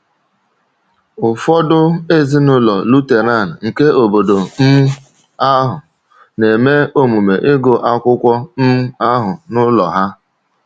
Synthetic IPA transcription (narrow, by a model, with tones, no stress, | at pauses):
ʊ˨fɔ˦dʊ˦e˦zi˦nʊ˦lɔ̰˨lu˦te˨na˦˨n̩˨ŋ̩˨ke˦o˨bo˨do˨m̩˦ | a˦ɦʊ˨ | ne˨me˦o˦mu˨me˨ʔɪ˦ɡo˨ʔa˦kʷʊ˦kʷɔ˦m̩˦a˦ɦʊ˨nʊ˦lɔ̰˨ɦa˦